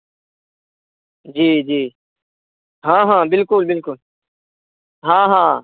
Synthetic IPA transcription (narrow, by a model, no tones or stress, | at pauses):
d͡ʒiːd͡ʒiː | ɦãːɦãːbɪlkʊlbɪlkʊl | ɦãːɦãː